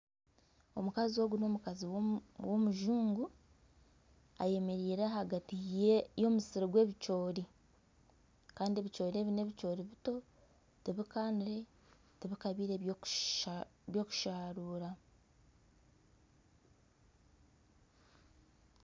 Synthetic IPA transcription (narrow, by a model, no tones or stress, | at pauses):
o̞̰mukazio̞ːɡuno̞ːmukaziwo̞muʒuːŋɡu | a̰je̞me̞ɾiːɾeɦaɡatijejo̞ːmusiɾoɡwe̞ːβit͡ʃo̞ːɾi | kaːndieːβit͡ʃo̞ːɾie̞ːβine̞ːβit͡ʃo̞ːɾiβito̞ | teβikaːndiɾe̞ | teβikaβiːɾe | βjo̞ːku̥ʃaːɾuːɾa